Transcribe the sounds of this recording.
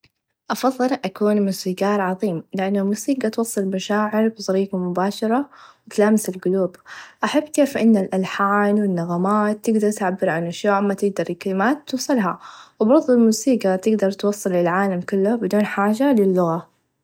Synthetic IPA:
ʔɑfɑðˤːɨlʔakuːnmuːsiɡaːɾˤʕɑðˤiːmlɪʔanːalmuːsiːɡat̪wɑsˤːɨlmaʃaːʕɪɾbzˤɑɾiːqamʊbaːʃɑɾˤɑwɪt̪laːmɪsɪlɡʊluːbʔaħabːkeːfʔɪnːalʔalħaːnwɪnːaɣamaːt̪ːɪɡd̪ɑɾˤt̪ʕabːɪɾʕanʔaʃjoːʔamːat̪ɪɡ̚d̪ɑɾˤkalɪmaːt̪ːusˤɨlɦawbɑɾˤðˤʊlmuːsiːɡat̪ɪɡd̪ɑɾˤt̪wɑsˤːɨlɪlalʕaːlamkʊlːʊbɪd̪uːnħaːʒalɪlːʊɣa

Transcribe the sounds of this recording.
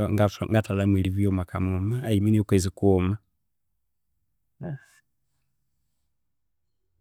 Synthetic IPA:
ŋɡafa̰ŋɡatalamwiliβjomakamumaːiminiokwezikuma

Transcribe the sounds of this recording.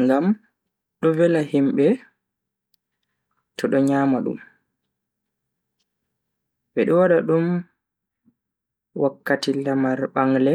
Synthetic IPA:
ŋɡam | ɗɔvɛlahimɓɛ | tɔɗɔɲaːmaɗṵm | ɓɛɗɔwaɗaɗum | wʔakːatilamaɾɓaŋlɛ

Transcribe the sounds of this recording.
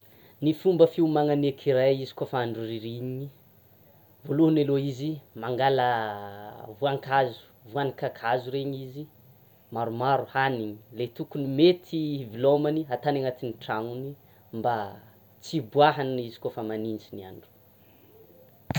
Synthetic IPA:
nifumbəfiumaŋanekʰiɾajizi̥kofaaɳɖ͡ʐuriɾiɲɲi | voluhunaloizimaŋɡalə | vuaŋkazu̥vuanikakʰazuɾeɲizi | maɾumaɾuhaniɲilet̪ukunimet̪ʰivilomaniat̪anaŋat̪iniʈ͡ʂaŋuni | mba | t͡sibuaɦanizikofəmaninsinia̰ɳɖ͡ʐu̥

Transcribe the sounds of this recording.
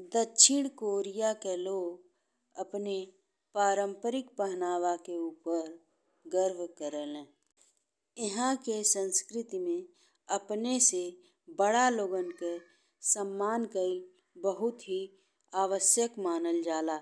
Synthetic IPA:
d̪ətːʃʰɪɽ̃koːɾijakeloːɡ | əpne | paːɾə̃mpəɾɪk̚pəɦnaːʋakeuːpəɾ | ɡəɾʋkəɾəlɛ̃ː | ɪɦãkesə̃nskɾɪt̪imẽ | əpnese | bəɽaloːɡənke | səmːaːnkəi | bəɦʊt̪ɦi | aːʋəsjəkmaːnəld͡ʒaːlaː

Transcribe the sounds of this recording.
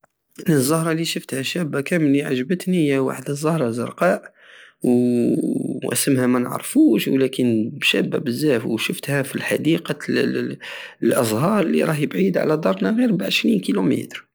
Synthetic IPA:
nəzˤːɑhɾˤɑliʃəft̪hæʃæbːakæməniʕaʒbət̪nijæwa̰ħd̪əzˤːɑhɾˤɑzə̰ɾˤqɑʔ | w | ʔæ̰səmhæmænəʕ̰ɾˤfuʃwlækənbʃæ̰bːæ̰bəzːæfwʃəft̪hæfilħad̪iqɑ | lʔɑzˤhɑɾˤlḭɾˤɑhjəbʕid̪ʕa̰læd̪ˤɑɾˤnæɣiɾbʕəʃɾinkilumḭt̪ɾ

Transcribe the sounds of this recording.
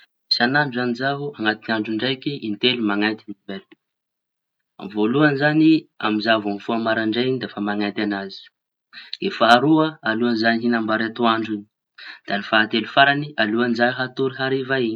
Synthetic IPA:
isanaɳɖ͡ʐzanizaɦuaŋat̪inaɳɖ͡ʐuɳɖ͡ʐajkiʔint̪elimaŋant̪iniimbel | a̰mvoluanizania̰mizavamfuamaɾaɳɖ͡ʐeinid̪efamaŋajnt̪anazi̥ | d̪̥efaːɾuəaluanzaniɦinambaɾat̪uaɳɖ͡ʐini̥ | d̪̥anifaat̪elufaɾanialuanizaɦat̪uɾiɦaɾivai

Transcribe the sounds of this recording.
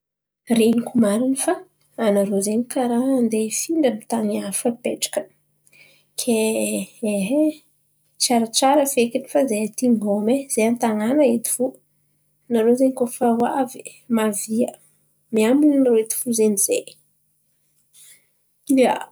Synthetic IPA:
rinikumaɾinifaː | naɾozeɲikaɾand̪efiɳɖ͡ʐənit̪aŋiafəpeʈ͡ʂḁkə̥ | kʰe | eɦe | t͡ʃaɾat͡ʃaɾəfekini̥fazeat̪iŋɡomez̥eant̪aŋanəet̪i̥fu | naɾozeɲikofawavi | maviə | miamuninɾoet̪i̥fuzenizej | ia̰

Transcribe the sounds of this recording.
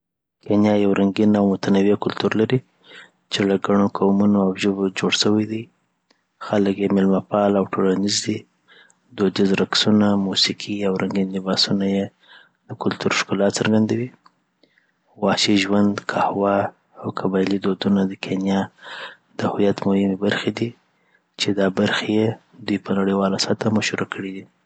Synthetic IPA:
kenjɑjawɾaŋɡinawmʊt̪anawakʊlt̪uɾlaɾi | t͡ʃelaɡaɳ̃okʰawmunoawʒobod͡ʒoɽʃəwajd̪ij | xaləkjemɪlmapɑlawʈʰolanizd̪i | d̪od̪izɾaksunamusikʰiawɾʔaŋɡinlɪbɑsunaje | d̪əkʊlt̪uɾʃkulɑt̪səɾɡand̪awi | wɑʃiʒwand̪kʰahwaː | wkʰabɑjlid̪od̪unad̪əkʰenjɑ | d̪̥əhʊjat̪mʊhɪmebaɾxed̪i | t͡ʃed̪ɑbaɾxeje | d̪ujpənaɽəjwɑlasat̪amaʃuɾakʰəɽid̪i

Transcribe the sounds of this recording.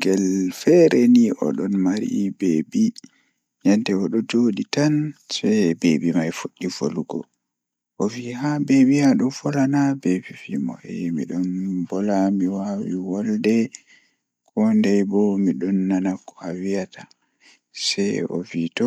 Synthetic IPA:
ɡɛlfɛɾɛniʔɔ̰ɗɔnmaɾḭbeːbi | ɲantɛɔɗɔd͡ʒoɗitansɛbebimajfuɗːifoluɡɔ̰ | ʔɔvihabebihaɗɔnfɔlanabebifimɔ̰ɛmḭɗɔnbɔlamiwawiwɔldɛ | kɔndɛjbɔmiɗɔnːanakɔawijatʰa | sɛɔ̰vitɔ

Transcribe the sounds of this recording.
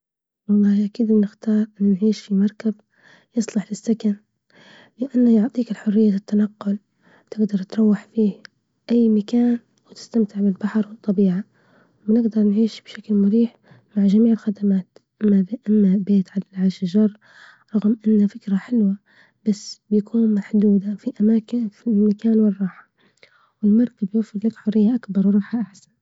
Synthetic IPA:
wɑlˤːɑːhʔakiːd̪bnɪxt̪ɑːɾˤʔɪnːʊnʕiːʃfimɑɾˤkab | jɨsˤlɪħlɪsːakan | lɪʔanːajʊʕt̪ˤiːkɪlħʊrːɪjːaɪt̪ːanɑqːʊl | t̪ɪɡd̪ɑɾˤt̪ɾˤɑwːaħfiː | ʔajːmakaːn | wɪt̪ɪ̥st̪amt̪ɪʕbɪlbaħɑɾˤwɨt̪ˤːɑbiːʕa | wnɪɡd̪ɑɾˤnʕiːʃb̥ʃaklmʊɾiːħ | maʕʒamiːʕɪlxad̪amaːt̪ʔaʔamːabeːt̪ʕalalʕaːʃaʒɑrˤ | ɾˤɑɣmʔɪnːafɪkɾaħɪlwa | b̥asːbjakʰuːnmaħd̪uːd̪afiʔamaːkɪnfilmakaːnwɪrˤːɑːħḁ | wɪlmɑɾˤkabjafːɪɾlakħʊrːɪjːaʔakbɑɾˤwɾˤɑːħaʔaħsan

